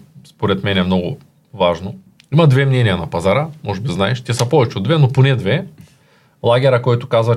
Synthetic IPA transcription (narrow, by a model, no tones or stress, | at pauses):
spoɾɛt̪mɛnɛmnɔɡʊ̰ | vaʒno | imɐd̪vɛmnɛnijɐnɐpazaɾəmɔʒɛbiznaɛʃt̪ʲɛsɐpɔvɛt͡ʃɛod̪vɛnoponɛd̪vɛ | lˠaɡʲɛɾɐkɔjt̪ʊkazvɐ